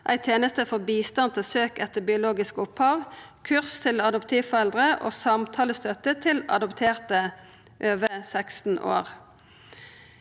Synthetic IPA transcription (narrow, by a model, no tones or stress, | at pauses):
ʔæ̰ɪt̪ʰjeːnəst̪əfɔbiːst̪ɑnt̪ʰɪlsøːkɛt̪əbɪʊloːɡɪskʊphɑːʋ | kʰʉʁst̪ʰɪlɑd̪ɔpt̪ʰiːʋfɔʁɛld̪ʁəʔo̰ːsɑmt̪ʰɑːləst̪œt̪ət̪ʰɪlɑ̰d̪ʊpt̪ʰeːʁt̪ə | ʔøːʋəsækst̪n̩ʔo̰ːʁ